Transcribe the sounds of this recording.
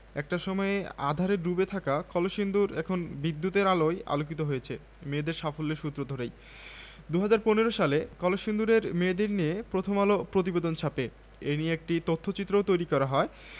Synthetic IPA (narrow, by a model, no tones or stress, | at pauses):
ɛk̚ʈaʃɔmɔea̰d̪ʱaɾeɾːubet̪ʰakakɔloʃind̪uɾɛkʰonbid̪ːut̪eɾaloja̰lok̬it̪oɦojet͡ɕʰe | med̪eɾʃafolːeɾʃut̪ːɾod̪ʱoɾej | d̪uɦad͡ʑaɾponeɾoʃalekɔloʃind̪uɾeɾmed̪eɾniepɾot̪ʰomalopɾot̪̬ibed̪ont͡ɕʰape | enieek̚ʈit̪ot̪ʰːot͡ɕit̪ːɾowt̪ojɾikɔɾaɦɔe